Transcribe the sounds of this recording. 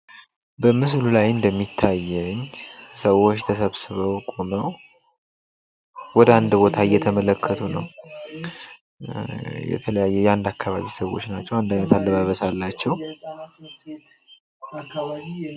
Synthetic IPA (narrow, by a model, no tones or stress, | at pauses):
bəmɨslulajɨnd̪əmːit̪ʰːajːɛɲsəwo̞t͡ʃːt̪ʰəsəβsɨβəwkʼoməw | wɔd̪əand̪bo̞t̪ʰajɛt̪ʰəmələkʰːət̪ʰunə̰w | jɛ̰t̪ʰələjajːɛjand̪akːaβa̰βisəwo̞̰t͡ʃːnat͡ʃːɛwand̪ajnət̪ʰalːəβaβəsalːat͡ʃːɛw